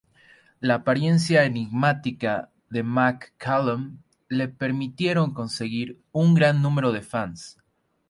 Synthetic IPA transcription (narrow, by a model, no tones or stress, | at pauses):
laːpaɾje̞ns̬jaeniɣmat̪ika | ðe̞makːalom | le̞pe̞ɾmit̪je̞ɾo̞ŋko̞nse̞ɣiɾ | uŋɡɾanːũme̞ɾo̞ðe̞fans